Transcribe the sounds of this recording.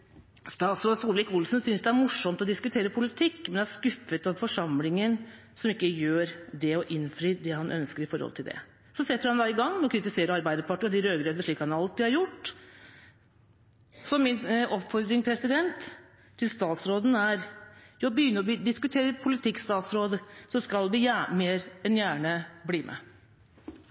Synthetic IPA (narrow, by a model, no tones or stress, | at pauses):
st̪ɑːt̪sɾoːd̪suːllʋɪkʊlsnsʏnsd̪ɛæɾmʊʂɔmt̪ɔd̪ɪskʉt̪ʰeːɾəpʰʊlɪt̪ʰɪkːmɛnd̪ɛæʂkʉfət̪ɑʋfɔʂɑmlɪŋən | sɔmɪkːəjøːɾd̪ɛɔʔɪnfɾiːd̪ɛhɑnʔœ̰nskəɾɪfɔ̰ɾhɔ̰lt̪ʰɪld̪ɛ̰ | sɔsɛt̪ːəɾhɑnd̪ɑɪɡɑŋːmɔkʰɾɪt̪ɪseːɾəɾɑɾbæɪd̪əɾpʰɑʈːəɔd̪ɪɾøːɡɾøːd̪əʂɭiːkhɑnɾɑlt̪ːɪhɑɾjʊʈː | sɔmɪnɔpfɔɾd̪ɾɪŋpʰɾɛsɪd̪ɛnt̪ʰː | ɪlst̪ɑːt̪sɾoːd̪n̩æɾjɑːbəjʏnːəɾɔbd̪ɪskʉt̪ʰeːɾəpʰʊlɪt̪ʰɪkst̪ɑːt̪sɾoːd̪əsɔskɑlʋɪjæmeːɾɛnjæːɳəbliːmʔɛ̰